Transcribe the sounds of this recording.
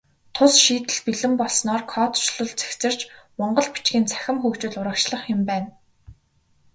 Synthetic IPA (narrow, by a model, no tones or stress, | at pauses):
t̪ʰʊsʃiːt̪ɘ̆ɮpiɮɘ̆mpɔɮsnɔːrkʰɔːt̪ʰʊ̥t͡ɕɮɞ̆ɮt͡sæ̥xt͡sɘ̆r̥t͡ɕmɔɴɢɞ̆ɮpi̥t͡ɕɡʲiːnt͡sʰæ̥xʲɪ̆mxuːkt͡ɕʊ̆ːɮʊɾə̆kt͡ɕɮə̆χjʊmpæːn